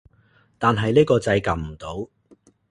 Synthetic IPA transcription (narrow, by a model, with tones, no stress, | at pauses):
t̪aː˨nɦɐ˨jniː˥kɔː˧t͡sɐ˧jka˨˩m̩˨˩t̪o˨˥w